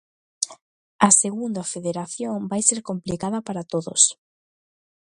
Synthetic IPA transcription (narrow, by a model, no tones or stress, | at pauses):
ɐseɣund̪ɐfeðeɾaθjoŋbajseɾkomplikaðɐpaɾat̪oðo̰s